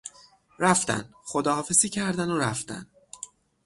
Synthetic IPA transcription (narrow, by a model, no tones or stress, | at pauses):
ɾæft̪æ̰nd̪xod̪ɒːhɒːfe̞ziːcʰæɾd̪ænoɾæft̪æ̰nd̪